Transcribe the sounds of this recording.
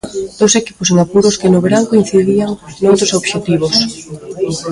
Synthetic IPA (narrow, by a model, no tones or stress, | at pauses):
d̪̥oseki̥pos̬eŋapuɾoskenoβeɾaŋkoĩn̟θiðiaŋnowt̪ɾosoβʃet̪iβ̞os